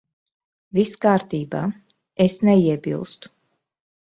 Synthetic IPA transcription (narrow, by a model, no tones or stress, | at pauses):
viskaːɾt̪iːbaː | esnɛiɛbḭlˠst̪u̥